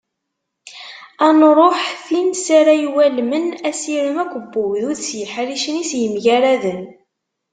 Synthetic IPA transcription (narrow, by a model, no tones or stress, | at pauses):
ænɾˤoħθinsaɾajwælmənæsiɾəmækʷːəbːuwðʊðsjəħɾiʃənisjəmʝæɾæðən